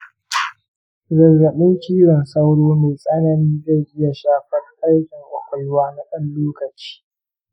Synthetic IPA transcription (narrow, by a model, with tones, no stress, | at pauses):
zɐ˨rːɐ˨ɓɪ˦ŋkʲiː˦ɽɐ˨nsa˦wɽoː˦meː˨sʼɐ˦nɐ˨niː˦za˦˨jʔɪ˦ja˨ʃaː˦ɸɐ˦rʔɐ˦ɽkʲɪ˨ŋʔʷʊ˨ɸʷɐ˨jwaː˦na˦ɗɐ˦nloː˦kɐ˨t͡ʃi̥ː˦